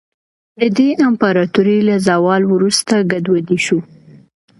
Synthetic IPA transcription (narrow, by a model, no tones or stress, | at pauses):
d̪əd̪eʔampaɾɑt̪uɾilazawɑlwɾust̪aɡad̪wad̪iʃu